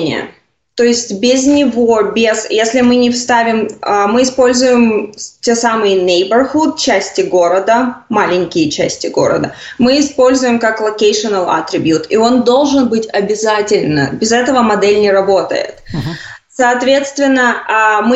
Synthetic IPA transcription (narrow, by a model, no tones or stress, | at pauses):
nʲɪ̰jə̰ | t̪o̞ɪsʲtʲbʲɪznʲɪvo̞bʲɪzjesʲlʲɪmɨnʲɪfst̪avʲɪmmɨɪspo̞lʲzʊjɪmtʲe̞samɨjənʲejbərxut̪̚t͡ɕæsʲtʲɪɡo̞ɾəd̪əmalʲɪnʲkʲɪjət͡ɕæsʲtʲɪɡo̞ɾə̰d̪əmɨɪspo̞lʲzʊjɪmkaklˠɐkejʂɨnəlˠɐ̰t̪ɾʲɪbʲjut̪ɪo̞nd̪o̞lˠʐɨnbɨtʲɐbʲɪzatʲɪlʲnə̰bʲɪzɛt̪əvəmɐd̪ɛlʲnʲɪɾɐbo̞t̪ə̰jɪ̰t̪sɐːt̪vʲe̞t̪st̪vʲɪnːəmɨ